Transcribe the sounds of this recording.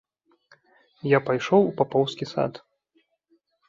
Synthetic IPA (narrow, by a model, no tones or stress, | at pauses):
japajʂɔwupapɔwskʲisa̰t̪